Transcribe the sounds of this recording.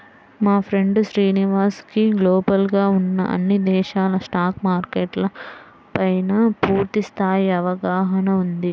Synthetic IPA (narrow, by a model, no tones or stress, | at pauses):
maːpʰɾe̞ɳɖuʃɾiːniʋaːskiɡloːbɐlɡaːunːɐ̰ʔɐ̰nːid̪ɛːʃaːlɐsʈaːkmaːɾkeːʈlɐ | pɐjnɐpuːɾt̪ist̪ʰaːjiɐʋɐɡaːɦɐnɐund̪i